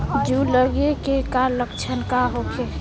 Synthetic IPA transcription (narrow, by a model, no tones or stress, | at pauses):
d͡ʒuləɡekekaləkt͡ʃʰənkaɦokʰe